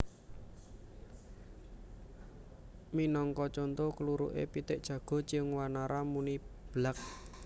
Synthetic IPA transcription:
minɔŋkɔt͡ʃont̪okəluɾṵʔḛpit̪ɪʔ̚d̥ʒ̥ä̤ɡ̥ɔ̤t͡ʃiəŋwanaɾʔamunib̥lak̚

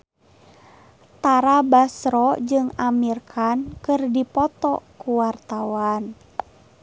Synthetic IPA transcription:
t̪aɾabasɾɔd͡ʒɨŋamirkʰankɨrdipɔt̪ɔkuwart̪awan

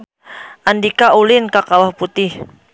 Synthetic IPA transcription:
ʔandikaulɪnkakawahput̪ɪh

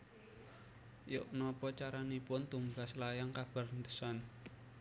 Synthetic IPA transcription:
jʊʔnɔpɔt͡ʃaɾanipʊnt̪uŋɡa̤slajaŋkab̥a̤rnd̪ə̥san

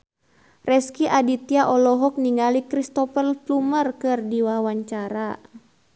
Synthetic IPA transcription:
rʔɛskiʔadit̪iaʔɔlɔɦɔk̚niŋalikɾist̪ɔpəlplumərkɨrdiwawaɲt͡ʃaɾa

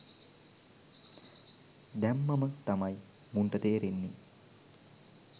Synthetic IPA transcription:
d̪æmːamət̪amaj | muɳʈət̪eːɾenːi

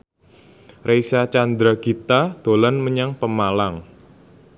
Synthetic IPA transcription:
rejsat͡ʃand̪ɾaɡ̥it̪ad̪̥o̤lanməɲaŋpəmalaŋ

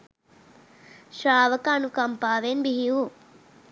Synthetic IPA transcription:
ʃɾaːʋɐkanukɐmpaːʋenbiɦiu

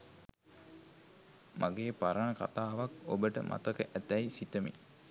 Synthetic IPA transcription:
mʔaɡeːpaɾanəka̰t̪aːʋakobəʈə̰mʔa̰t̪əkəʔæt̪æjsit̪əmḭ

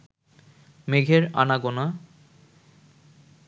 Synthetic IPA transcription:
meɡʱeɾa̰naɡona

